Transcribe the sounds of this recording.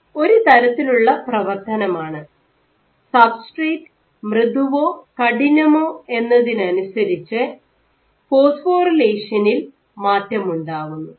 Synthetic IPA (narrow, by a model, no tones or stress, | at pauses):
o̞ɾut̪ɐɾɐt̪ːiluɭːɐprɐʋɐrt̪ɐnɐmaːɳɨ | saːfsʈreːt | mrɨðuʋo̞ːkɐɽinɐmo̞ːe̞nːɐðinɨɐnusɐɾit͡ɕːɨ | po̞ːsfoːrileːʂɐnil | maːtːɐmuɳɖaːʋunːu